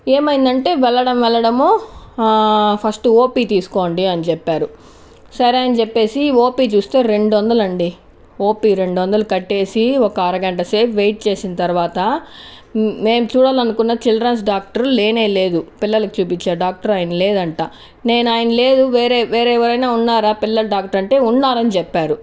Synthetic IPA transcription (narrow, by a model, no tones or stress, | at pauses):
e̞ːmɐjind̪ɐɳʈe̞ːʋɛɭːɐɽɐmʋɛɭːɐɽɐmoː | pʰɐsʈoːpiːt̪iːsu̥koːɳɖiɐnit͡ʃɛpːaːɾu | sɐɾaːjɐnɐt͡ʃɛpːe̞ːsio̞ːpiːt͡ʃuːst̪e̞ːɾe̞ɳɖʋɔnd̪ɐlɐɳɖi | o̞ːpiːɾe̞ɳɖɔnd̪ɐlɐkɐʈːe̞ːsiɔkɐɐɾɐɡɐɳʈɐse̞ːpʋejʈ̚t͡ʃe̞ːsinɐt̪ɐɾuʋaːt̪ɐ | me̞ːmt͡ʃuːɽaːlɐnukunːɐt͡ʃilɐɾɐns̬ɖaːk̚ʈɐɾle̞ːne̞ːle̞ːd̪upilːɐlɐkit͡ʃuːpit͡ʃːaːɾɖaːk̚ʈɐɾaːjɐnɐle̞ːd̪ɐɳʈaː | ne̞ːnaːjɐnɐle̞ːd̪uʋeːɾeʋeːɾɛːʋɐɾɐjnaːunːaːɾaːpilːɐlɖaːk̚ʈɐɾɐɳʈe̞ːunːaːɾɐnit͡ʃɛpːaːɾu